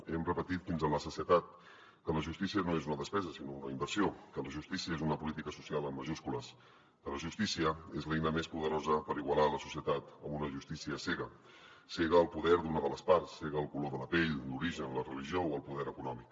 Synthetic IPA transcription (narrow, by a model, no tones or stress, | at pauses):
ɛmrəpət̪it̪finzələsusiət̪at̪̚ | kələʒust̪isiənoezunəðəspɛzəsinounə̰imbəɾsiokələʒust̪isiəezunəpulit̪ikəsu̥sialˠəmməʒuskuləs | kələʒust̪isiəezlɛjnəmespuðəɾozəpəɾiɣwəlaləsu̥siət̪at̪əmunəʒust̪isiəsɛɣə | seɣəːlˠpuðɛɾd̪unəðələspaɾsːeɣəːlˠkuloðələpeʎluɾiʒənlərəliʒiowəlˠpuðɛɾəkunɔmik